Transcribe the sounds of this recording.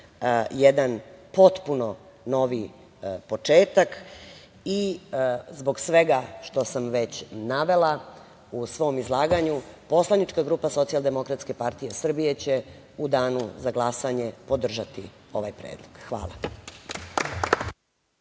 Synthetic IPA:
jed̪anpo̞t̪puno̞ | no̞ʋi | po̞t͡ʂeːt̪ak | i | zboɡsʋe̞ɡaʃt̪o̞samʋet͡ɕnaʋe̞la | usʋo̞mizlˠaːɡaɲupo̞slˠanit͡ʃkaɡɾuːpaso̞t̪sialˠd̪e̞mo̞kɾat̪ske̞paɾt̪ije̞sr̩bije̞t͡ɕe̞ | ud̪aːnuzaɡlˠasaɲe̞po̞d̪r̩ʒat̪io̞ʋajpɾeːd̪lˠoɡ̥xʋa̰ːlˠa̰

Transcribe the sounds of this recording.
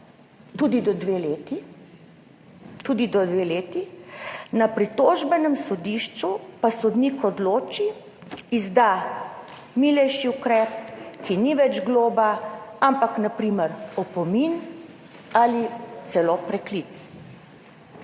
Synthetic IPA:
t̪uːd̪id̪ɔd̪ʋeleːt̪i | t̪uːd̪id̪ɔd̪ʋeːleːt̪inapɾit̪oːʒbɛnɛmsɔd̪iʃt͡ʃupasɔd̪nikɔd̪loːt͡ʃiː | zd̪a | miːlɛjʃiukɾɛːp̚kiniʋɛd͡ʒɡloːbaampaknapɾiːmɛɾɔpɔmin | alit̪sɛloːpɾɛklit̪s

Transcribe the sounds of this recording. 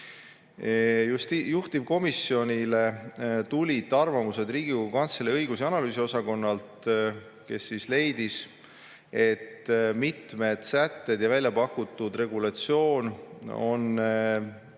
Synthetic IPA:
just̪ijuht̪iv̥ko̞misːio̞nʲile̞t̪ulʲit̪ːˑɑrvɑmuse̞d̪̥riːɡ̥iukɑnt̪seleɤjɡ̥usiɑnɑlyːsio̞sɑko̞nːɑlt̪ | ke̞sːisle̞jd̪̥is | e̞t̪ːmit̪me̞d̪̥sæt̪ːe̞d̪̥jɑvælʲjɑpɑkːut̪ˑːud̪re̞ɡulɑt̪sio̞ːno̞̰n

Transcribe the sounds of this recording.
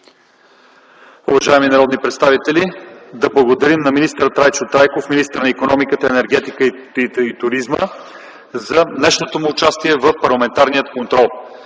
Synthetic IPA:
ʊvɐʒaɛminɐɾɔd̪nipɾɛt̪st̪avit̪ɛlid̪ɐblˠɐɡod̪ɐɾimnɐminist̪əɾət̪ɾajt͡ʃʊt̪ɾajkofminist̪əɾnɐikonɔmikət̪əɛnɛɾɡ̟ɛt̪ikəi | it̪ʊɾizmə̰ | zɐnɛʃnot̪omʊːt͡ʃast̪iɛvəfpɐɾlˠɐmɛnt̪aɾnijət̪kont̪ɾɔlˠ

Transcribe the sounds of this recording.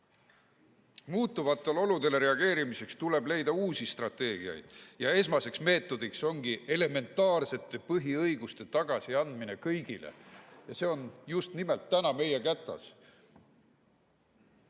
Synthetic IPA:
muːt̪ːuvɑt̪ːˑolo̞lud̪̥e̞le̞ɾe̞ɑɡ̥e̞ːɾimise̞kst̪ule̞ble̞jd̪ɑuːsist̪rɑt̪ːˑe̞ːɡ̥iɑ̰jd̪̥jɑe̞s̬mɑse̞ksme̞ːt̪ːˑo̞d̪̥ikso̞ŋɡ̥ie̞le̞me̞nt̪ːˑɑːrse̞t̪ːˑe̞pɤɦiɤjɡust̪e̞t̪ɑɡ̥ɑsiɑnd̪̥minekɤjɡ̥ilḛjɑse̞ːo̞njust̪nimelt̪ːænɑme̞je̞kæt̪ːˑɑ̰s

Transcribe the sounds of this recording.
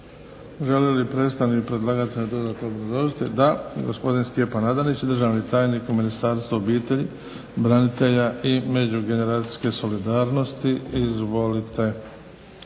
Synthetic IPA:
ʒe̞lelipɾet̪st̪anipɾe̞d̪lˠaːɡat̪id̪o̞d̪aːt̪noobɾazlˠo̞ʒit̪ed̪aɡo̞̰spo̞d̪inst̪je̞panad̪anit͡ɕd̪r̩ʒaːʋnit̪aːjnikuminist̪aːɾst̪vaobiːt̪eʎi | bɾanit̪e̞ʎaʔime̞d͡ʑuɡe̞ne̞ɾaːt̪si̥ske̞so̞lid̪aːɾno̞st̪iizʋo̞lit̪ʰe̞

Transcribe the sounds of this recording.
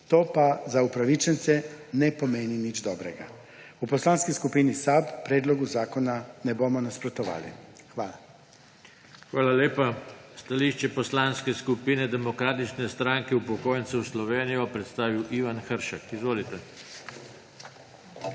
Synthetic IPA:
t̪oːpazaupɾaʋit͡ʃɛnt̪sɛnɛpomeːninid͡ʒd̪ɔːbɾɛɡa̰ | upɔslaːnskiskupiːnisabpɾeːd̪lɔɡuzaːkɔnanɛbomɔnaspɾɔt̪ɔʋa̰ːlḭxʋaːla̰ | xʋaːlaleːpast̪aliʃt͡ʃɛpɔslanskɛskupiːnɛd̪ɛmɔkɾaːt̪it͡ʃnɛst̪ɾaŋkɛupɔkoːjɛnt̪sɛwslɔʋeːnijɔpɾɛt̪st̪aːʋiwʔiʋanxəɾʃakizʋoːlit̪ɛ

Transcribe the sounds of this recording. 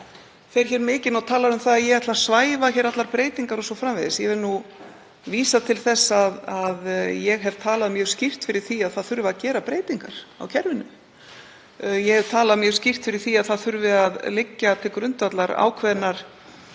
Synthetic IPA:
θejɾ̥çɛːɾmɪːcɪnawt̪ʰaːlaɾʏmθaðaðjɛɣaht̪lasvaːjvaçɛːɾat̪laɾpɾeːjt̪iŋkaɾɔsɔfɾamvɪðɪsjɛvɛɾnu | viːsat̪ʰɪlθɛsːaðaðjɛɣɦɛvt̪ʰaːlaðmjœːɾ̥scir̥t̪fɪɾɪɾ̥θiaðθaðθʏɾvɪacɛːɾapɾeːjt̪iŋkaɾ̥a̰wcʰɛɾvɪnʏm | jɛhɛv̥t̪ʰaːlaðmjœːɾscɪr̥t̪fɪɾɪɾ̥θiaðθaðθʏɾvɪaðlɪcːat̪ʰɪlkɾʏnt̪at̪laɾa̰ːwkʰvɛðnːaɾ̥

